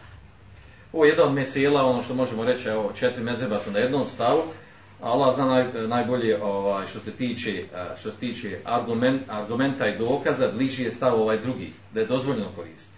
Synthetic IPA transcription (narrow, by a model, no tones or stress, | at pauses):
oʋojed̪nano̞d̪meseːlˠao̞no̞ːʃt̪o̞mo̞ʒe̞mo̞ɾe̞t͡ʃeot͡ʃe̞t̪ɾimezebasunaje̞d̪noːmst̪aʋu | alˠaznaːmnajnajbo̞ʎeʔoʋaːjʃt̪o̞se̞t̪iːt͡ʃeʃt̪ose̥t̪iːt͡ʃeaɡumeaɾɡume̞nt̪aid̪o̞ːkazabliʒije̞st̪aʋo̞ʋaːjd̪ɾuɡḭː | d̪ajed̪o̞zʋo̞ʎe̞noko̞ɾḭːst̪i̥t̪